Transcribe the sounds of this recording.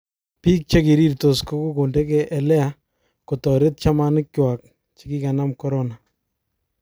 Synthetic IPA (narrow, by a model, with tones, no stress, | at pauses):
pi˦k̚t͡ʃe˦ki˨ɾi˦ɾto˨sko˦ku˦ko˨nde˦kɛʔɛ˨lɛ˦a | ko˨tɔ˨ɾe˦t̚t͡ʃa˦ma˦nɪ˦kwa˨k̚ | t͡ʃe̥˦ki˦ka˨na˦mkɔ˦ɾɔna˨